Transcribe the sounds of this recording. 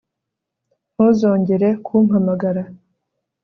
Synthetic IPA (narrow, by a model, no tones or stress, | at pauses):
ozoːɲɟeɾekʰuːm̥hamaɡaɾa